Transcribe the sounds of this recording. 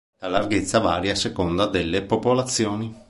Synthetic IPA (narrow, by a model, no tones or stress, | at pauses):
lalarɡet̪sːavaːɾjasekond̪ad̪elːepopolat̪sːjoːni